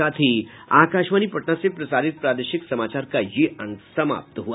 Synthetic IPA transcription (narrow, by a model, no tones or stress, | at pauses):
at̪ʰiːakaʃʋanipəʈnasepɾɐsaɾit̪̚pɾad̪əɕiksəmat͡ɕaɾkajeʔəŋsəma̰p̚t̪ɦua